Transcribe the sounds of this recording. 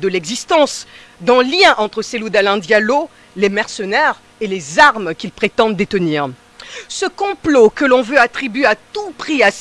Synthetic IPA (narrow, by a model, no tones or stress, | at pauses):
d̪əlɛɡzist̪ɑ̃s | d̪ɑ̃ljɛ̃ʔɑ̃t̪χəselud̪alɛ̃d̪jalo | lemɛʁsənɛʁ | elezaʁmkʲilpχet̪ɑ̃d̪ːet̪əniːʁ | səkɔ̃plokəlɔ̃vøat̪χibɥeat̪upχias